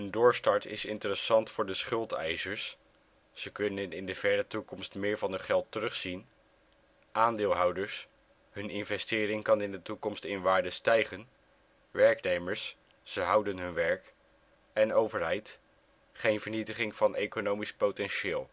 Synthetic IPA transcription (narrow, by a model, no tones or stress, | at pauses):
əndʊːɹstɑɹtɪ̰sɪntərəsɑntfʊːɹdəsχɵlˠtɛ̰jzəɹsː | əkɵnənɪndəv̥ɛɹɾətukɔmstmɪːɹvɑnəχɛlˠtərɵχsin | ʔaːndɪːlˠɦʌwdəɹs | ɦɵnɪnvɛstɪːɾɪŋkɑnɪndətukɔmstɪnʋaːɹdəstɛjχən | ʋɛɹknejməɹsː | əɦʌwdənɦɵnʋɛɹk | ɛnowvəɹɦɛjt | χejnvəɹnitəχɪŋv̥ɑnʔejkonowmispotɛnʃɪːlˠ